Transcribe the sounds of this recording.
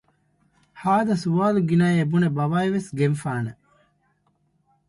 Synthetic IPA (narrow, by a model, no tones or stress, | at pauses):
haːd̪ɐsuʋaːluɡinaːebunebɐʋaːeʋesɡenfaːnɐ